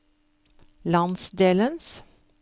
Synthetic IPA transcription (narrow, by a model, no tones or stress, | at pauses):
lɑnsd̪eːləns